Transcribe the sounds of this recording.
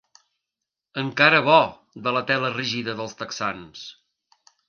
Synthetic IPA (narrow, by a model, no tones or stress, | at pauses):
əŋkaɾəβɔ | d̪ələt̪ɛləriʒiðəðəlˠst̪əksans